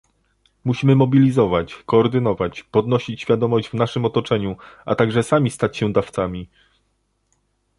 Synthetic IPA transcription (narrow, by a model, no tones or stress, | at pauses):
muɕimɘmɔbʲilʲizɔvat͡ɕkɔːɾd̪ɘnɔvat͡ɕpɔd̪nɔɕit͡ɕɕfʲjad̪ɔmɔʑd͡ʑvnaʂɘmɔt̪ɔt͡ʂɛɲuʔa̰t̪aɡʐɛsamʲist̪at͡ɕɕɛd̪aft̪samʲi